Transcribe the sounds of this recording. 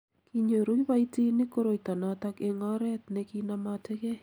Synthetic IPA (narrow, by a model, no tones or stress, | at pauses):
kiɲoɾujβaitinikoɾoitanatakeŋaɾɛt̪nekinamatʰekɛ